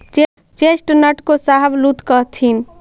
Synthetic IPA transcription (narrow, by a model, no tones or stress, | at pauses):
t͡ʃ | t͡ʃesʈnəʈkosaɦəblut̪kəɦt̪ʰin